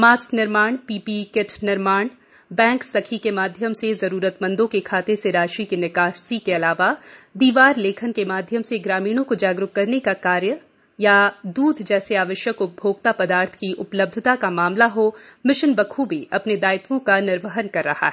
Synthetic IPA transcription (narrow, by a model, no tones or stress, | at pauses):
maːsknɪɾmaːɳpiːpikɪʈʰnɪɾmaːɳ | bɛ̃ːŋksɐkʰikemaːd̪ʱjəmsezɐɾuːɾət̪mɐ̃nd̪õkekʰaːt̪eseɾaːʃikinɪkaːʃsikeɐlaːʋad̪iːʋaːɾleːkʰənkemaːd̪ʱjəmseɡɾaːmiːɽ̃õkod͡ʒaːɡɾʊɦkɐɾnekakaːɾjə | jad̪uːd̪ʱd͡ʒɛːseaːʋəʃjəkʊbʱoːɡt̪apɐd̪aːɾt̪ʰkiʔʊpləb̚d̪ʱɪt̪akamaːmlaɦomɪʃənbɐkʰubʱiʔɐpned̪aːɪt̪ʋõkanɪɾʋəɦənkɐɾːɐha̰ɦɛː